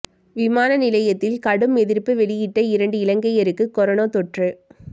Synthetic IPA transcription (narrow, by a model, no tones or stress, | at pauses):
ʋɪmaːnɐnɪlɐjɐt̪ːɪlkɐɽɯmɛðɪɾpːɯʋɛɭɪjɪʈːɐɪɾɐɳɖɯɪlɐŋɡɐɪjɐɾɯkːɯkːɔɾɐnoːt̪ɔʈrɯ